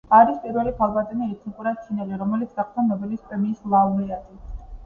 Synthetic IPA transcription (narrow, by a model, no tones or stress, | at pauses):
aɾispʼiɾwɛlipʰalˠbat̪ʼɛniɛt̪ʰnikʼuɾat̪ʰinɛliɾɔmɛlit̪sʰd̪aχt̪ʰɔnɔbilispʼɾɛmiːslˠaunɛazi